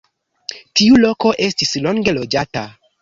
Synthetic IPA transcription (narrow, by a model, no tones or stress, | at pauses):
tiulo̞ko̞ʔe̞stislo̞ŋɡe̞lo̞d͡ʒata